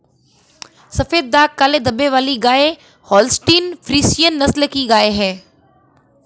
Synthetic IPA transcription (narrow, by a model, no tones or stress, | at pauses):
sɐfeːd̪̚d̪aːkːaːled̪ɐbeʋaːliɡaːe | hɔːlsʈiːnfɾiːsijənːɐslkiɡaːeɦɛ̃ː